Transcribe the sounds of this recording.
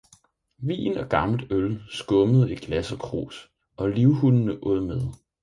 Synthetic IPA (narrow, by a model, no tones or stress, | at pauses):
ʋḭːnɒ̽ɡ̥ɑ̈ml̩d̥ølsɡ̥ɔ̽məð̞̩ˠi̥ɡ̥læsɒkʰʁo̝̰ːs | ʔɒ̽liʊhunnəʔɔð̰ˠmeð̞ˠ